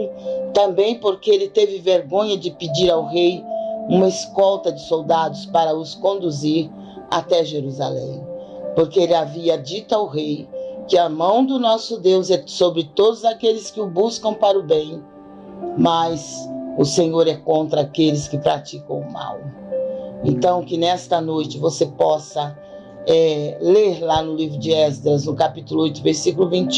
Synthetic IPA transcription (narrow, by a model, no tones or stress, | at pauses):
t̪ɐ̃mbẽj̃poɾkeɪelɪt̪evɪveɾɡõɲɐd͡ʒɪpɪd͡ʒiɾawɦejũmɐɪskɔwt̪ɐd͡ʒɪsowd̪ad̪ʊspaɾɐʊskõnd̪uziɾ | a̰t̪ɛʒeɾuza̰lḛ̃j̃ | poɾkeelɪaviɐd͡ʒit̪ʊawɦejkɪɐmɐ̃w̃d̪ʊnɔsʊd̪ewzɛsobɾɪt̪od̪ʊzakelɪskɪʊbuskɐ̃w̃paɾʊbẽj̃ | mɐjzʊsẽɲoɾɛkõnt̪ɾɐakelɪskɪpɾat͡ʃikɐ̃w̃ʊma̰w | ḛ̃nt̪ɐ̃w̃kɪnɛst̪ɐnojt͡ʃɪvosepɔsɐ | ɛleɾlanʊlivɾʊd͡ʒɪɛzd̪ɾɐznʊkapit̪ʊlʊojt̪ʊveɾsikʊlʊvĩnt͡ʃɪ